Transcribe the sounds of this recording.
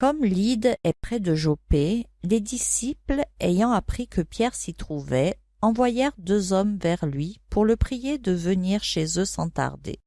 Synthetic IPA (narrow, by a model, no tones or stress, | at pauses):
kɔmlid̪ɛpχɛd̪əʒopeled̪isiplejɑ̃apχikʰəpjɛʁsit̪χuvɛ | ɑ̃vwajɛʁd̪øzɔmvɛʁlɥipuʁləpχijed̪əvəniʁʃezøsɑ̰̃t̪a̰ʁd̪ḛ